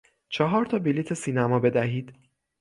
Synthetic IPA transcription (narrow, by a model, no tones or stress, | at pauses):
t͡ʃʰɒɦɒːɾt̪ʰɒːbilit̪ʰesiːnæmɒːbe̞d̪æɦiːd̪̥